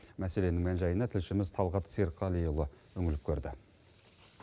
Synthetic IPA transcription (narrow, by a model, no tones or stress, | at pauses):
mæse̞le̞nɪŋmænʒɑjənɑt̪ʰɪlʃɪmɪzt̪ʰɑlˠʁɑt̪siɾqʰɑlˠijulˠəwɵŋɪlɪp̚kʲʰɵɾd̪ɪ